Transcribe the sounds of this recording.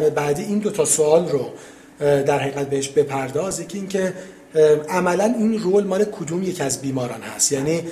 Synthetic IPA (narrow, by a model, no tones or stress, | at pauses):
ebæːd̪iːiːnd̪ot̪ʰɒːsoɒːlro | d̪æɾhæjiɣæt̪̚be̞heʃbe̞pʰæɾd̪ɒːzjecʰiiːŋcʰe̞ | ʔæmælæniːnroːlmɒːnekʰod̪uːmjecʰiæzbiːmɒːɾɒːnhæ̰st̪jæːniː